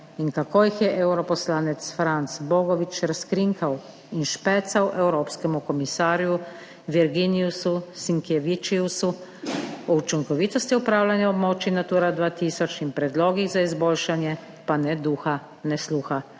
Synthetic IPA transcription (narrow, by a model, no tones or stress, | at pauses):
iŋkakoːjixjɛʔɛwɾɔpɔslaːnɛt̪sfɾant̪sbɔːɡɔʋit͡ʃɾaskɾiŋkʰaw | inʃpɛːt̪sawʔɛwɾoːpskɛmukɔmisaːɾju | ʋiɾɡiniususiŋkɛʋit͡ʃiusu | ɔut͡ʃiŋkɔʋiːt̪ɔst̪iupɾaːwlanjaɔbmɔːt͡ʃinat̪uːɾad̪ʋaːt̪iːsɔt͡ʃnimpɾɛd̪loːɡiɣzaizboːlʃanjɛ | panɛd̪uːxa | nɛsluːxa